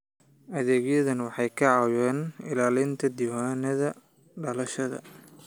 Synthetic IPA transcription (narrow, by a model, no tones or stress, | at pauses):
ʔɐðeːɡjɐðɐnwɑħɑjkʰɐʕɑwɛːnɪ̰laːlɪnt̪ʰɐd̪iwaːnɐðɐ | ɖɐlɐʃɐðɐ̰